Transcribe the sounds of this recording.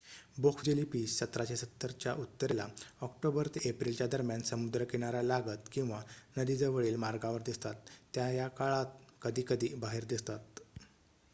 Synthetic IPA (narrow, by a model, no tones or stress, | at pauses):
bokʰfd͡ʑelipiːsːət̪ɾat͡ɕesət̪ːəɾt͡ɕjaʔut̪ːəɾelaɔk̚ʈobəɾt̪eepɾilt͡ɕjad̪əɾmjansəmud̪ɾəkeɽ̃aɾjalaɡət̪kĩw̃ʋanəd̪id͡zəʋəɭiːlmaɾɡaʋəɾd̪ist̪at̪ːjajakaɭat̪̚kəd̪ʱiːkəd̪ʱiːbaɦiːɾd̪ist̪at̪̚